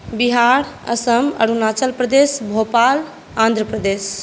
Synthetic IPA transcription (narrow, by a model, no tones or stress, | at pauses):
biɦaːɽɐ̰səmɐ̰ɽunaːt͡ʃəlpɾəd̪eːsbʱoːpaːl | ãːnd̪ɾəpɾəd̪eːs